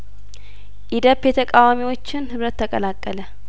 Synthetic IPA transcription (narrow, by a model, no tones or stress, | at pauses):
ʔid̪əpːjɛt̪ʰəkʼawamiwo̞t͡ʃːɪnhɨβɾət̪ːəkʼəlakʼːələ